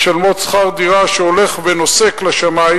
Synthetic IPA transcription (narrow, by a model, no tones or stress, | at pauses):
ʃalmosχaʁd̪iʁaʃeo̞le̞χveno̞se̞klaʃamai